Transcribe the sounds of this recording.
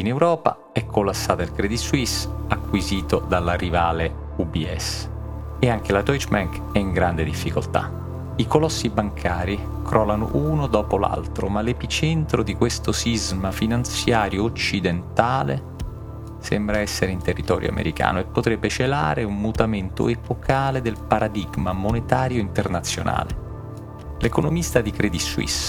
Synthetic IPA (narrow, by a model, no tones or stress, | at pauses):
inewɾɔːpa̰ | ɛkʰːolːasːaːt̪ailkɾɛd̪it̪swisakːwiziːt̪od̪alːarivaːle | ubiɛ̰s | eaŋk̟elat̪ɔjt͡ʃmaŋk | ɛiŋɡɾand̪ed̪ifːikolt̪a̰ | ikolɔsːibaŋkʰaːɾi | kʰɾʔɔːlano̰ʔunod̪ɔːpola̰lt̪ɾo̰malepit͡ʃɛnt̪ɾod̪ikwest̪osizmafinant̪sjaːɾjoːt͡ʃːid̪ent̪aːlḛ | sɛmbɾaɛsːeɾeint̪erːit̪ɔːɾjo̰a̰mḛɾika̰ːnoepːot̪ɾɛbːet͡ʃela̰ːɾeumːut̪ament̪o̰epokʰaːled̪elpaɾad̪iɡmamonet̪aːɾjoint̪ernat̪sːjo̰na̰ːle | lekonomist̪ad̪ikɾɛd̪iswḭs